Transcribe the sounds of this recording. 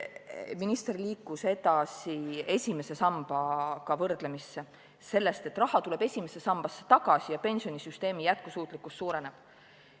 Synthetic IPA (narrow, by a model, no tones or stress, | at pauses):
minist̪rliːkːˑuse̞d̪ɑsie̞sʲime̞se̞sɑmb̥ɑkɑvɤrd̪̥le̞misːe | se̞lːe̞st̪e̞t̪ːˑrɑɦhɑt̪ule̞b̥e̞sʲimesesɑmb̥ɑsːe̥t̪ɑɡ̥ɑsijɑpe̞nsio̞nisyst̪e̞ːmijæt̪̚kusuːt̪ˑlikːulst̪suːɾe̞neb̥